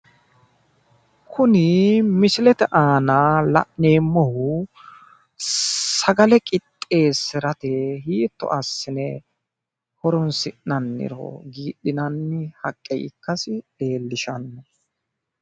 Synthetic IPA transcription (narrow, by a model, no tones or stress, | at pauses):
kʰʊnɪmɪsɪlɛt̪ɛʔaːnaːlɐ̰ʔneːmːɔhʊ | sɐɡɐlɛkʼɪt̪ʼːe̞ːsɪɾɐt̪ehiːt̪ːɔ̰ʔɐsːɪnɛ | hɔɾɔnsɪʔnɐnːɪ̰ɾɔ̰ɡiːɗɪnɐnːɪhɐkʼːɛ̰jɪ̰kːɐsɪɗe̞ːlːɪʃɐnːɐ